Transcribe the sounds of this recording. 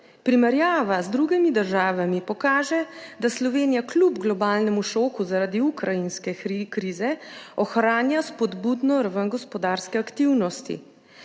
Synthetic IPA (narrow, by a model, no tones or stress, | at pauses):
pɾimɛɾjaːʋazd̪ɾuɡɛmid̪əɾʒaːʋamipɔkaːʒɛd̪aslɔʋeːnijaklubɡlɔbaːlnɛmuʃoːkuzaɾaːd̪iukɾajinskɛikɾiːzɛɔxɾaːnjaspɔd̪buːd̪nɔɾaʋənɡɔspɔd̪aːɾskɛakt̪iwnɔst̪ḭ